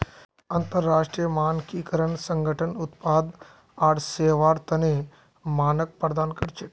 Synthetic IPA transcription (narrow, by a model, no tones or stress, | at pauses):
ɐnt̪əɾːaːʂʈɾijəmaːnkikəɾəɳsə̃ŋɡʱəʈʰənut̪paːd̪ | aːɽseːʋaːɾt̪ɐne | maːnək̚pɾɐd̪aːnkəɽt͡ʃeʈ